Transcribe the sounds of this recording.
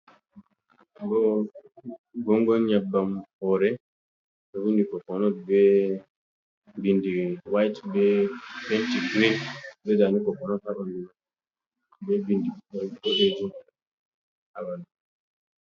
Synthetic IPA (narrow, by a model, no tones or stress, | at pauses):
ɡɔ | ɡɔŋɡɔnɲabːamɔɾɛ | ɔwindikɔkɔnɔbɛ | bindiwajtbɛpɛntiɡɾindɛd͡ʒanikɔkɔnɔtaɗni | bɛbindiɔɗed͡ʒu | awana